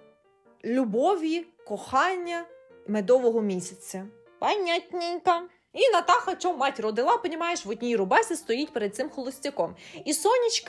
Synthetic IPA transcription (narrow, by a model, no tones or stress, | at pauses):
lʲubɔʋʲi | kɔxɑnʲːɐ | med̪ɔʋɔɦɔmʲisʲɐt͡sʲːɐ | pɐnʲːatʲnʲinʲkɐ | inɐt̪ɑxɐt͡ʃɔmɑtʲɾɔd̪ɪlˠɑpɐnʲimɑjeʃʋɔtʲnʲijɾʊbɑsʲɐst̪ɔjitʲpeɾed̪̚sɪmxɔlˠɔsʲtʲɐkɔmisɔnʲit͡ʃk